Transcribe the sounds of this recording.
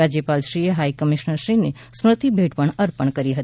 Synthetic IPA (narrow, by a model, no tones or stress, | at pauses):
ad͡ʒjəpalʃɾieɦaikəmiʃnəɾʃɾine | smɾət̪ibʱeʈpəɳəɾpəɳkəɾiɦət̪i